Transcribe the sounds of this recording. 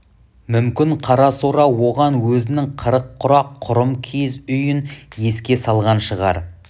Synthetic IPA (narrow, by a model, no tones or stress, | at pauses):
mʏmkʲɪɴqʰɑɾɑsoɾɑwo̞ʁɑnwɵzɪnɪŋqʰəɾəqʰːʊɾɑqʰːʊɾəmkʲʰezʏjɪnje̞skʲe̞sɑlˠʁɑnʃəʁɑ̰ɾ